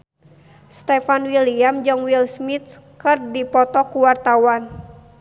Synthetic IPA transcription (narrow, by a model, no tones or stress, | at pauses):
st̪ɛfanwiliamd͡ʒɨŋwilsmit̪̚ | kɨrdipɔt̪ɔkuwart̪awan